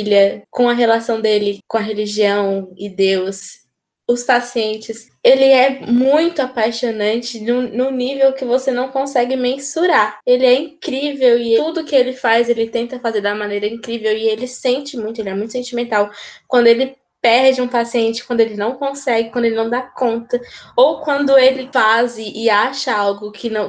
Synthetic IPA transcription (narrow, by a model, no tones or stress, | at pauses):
lʲɐkõw̃ɐɦelasɐ̃w̃d̪elɪkõɐɦeliʒiɐ̃w̃ɪd̪ews | ʊspasiẽnt͡ʃɪs | elɪɛmũj̃t̪ʊapajʃonɐ̃t͡ʃɪnʊnʊ̃nivewkɪvosenɐ̃w̃kõsɛɡɪmẽsuɾaelɪɛĩkɾivewɪud̪ʊkɪelɪfazelɪt̪ẽnt̪ɐfazeɾd̪ɐɐmɐ̃nejɾɐĩkɾivewɪelɪsẽnt͡ʃɪmũj̃t̪ʊelɪɛmũt̪ʊ̥sẽnt͡ʃimẽnt̪awkwɐ̃nd̪ʊelɪ | pɛɾd͡ʒɪũpasiẽnt͡ʃɪ̥kwɐ̃nd̪ʊelɪnɐ̃w̃kõsɛɡɪkwɐ̃nd̪ʊelɪnɐ̃w̃d̪akõnt̪ɐowkwɐ̃nd̪ʊelɪfazɪʔɪaʃɐawɡʊkʰɪnɐ̃w̃